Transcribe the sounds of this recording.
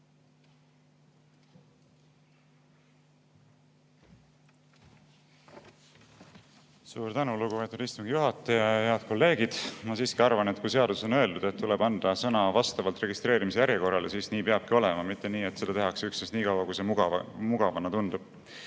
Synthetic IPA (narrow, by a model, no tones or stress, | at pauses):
suːɾt̪ænuluɡ̥upe̞ːt̪ːud̪ist̪umŋɡ̥ijuɦɑt̪ːˑɑjɑjheɑd̪̥ko̞lːe̞ːɡ̥id̪̥mɑsiːskiɑrvɑnet̪kuse̞ɑd̪uso̞nø̞e̞ld̪ud̪̥e̞t̪ːule̞b̥ɑnd̪̥ɑsɤnɑvɑst̪ɑvɑlt̪re̞ɡist̪ɾe̞ːɾimis̬ejæɾjeko̞rːɑlesiːsniːpeɑb̥kio̞le̞mɑmit̪ːeniːe̞t̪se̞d̪ɑt̪e̞ɦɑkseyksnesniːkɑwɑkujse̞mɑmuɡ̥ɑvɑnɑt̪und̪ub̥